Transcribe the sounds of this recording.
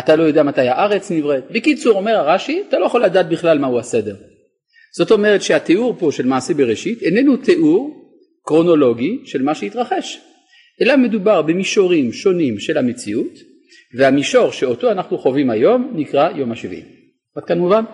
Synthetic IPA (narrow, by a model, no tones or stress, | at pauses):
at̪alo̞jo̞deamatajaʔaʁe̞t͡snivʁet̪bekit͡suʁo̞me̞ʁaʁaʃiat̪alo̞jaχoladaːt̪̚biχlalmahuasede̞ʁ | z̥o̞t̪o̞me̞ʁet̪ʃeateʔuʁpo̞ʃelmaːsebeʁeʃitenenute̞ʔuʁ | kʁo̞no̞lo̞ɡiʃe̞lmaʃeitʁaχe̞ʃ | ʔelame̞dubaʁbemiʃo̞ʁimʃo̞nimʃe̞lamet͡siut | vehamiʃo̞ʁʃe̞o̞toanaχnuχo̞vimajo̞mnikʁajo̞maʃivʔḭm | at̚kanmuvan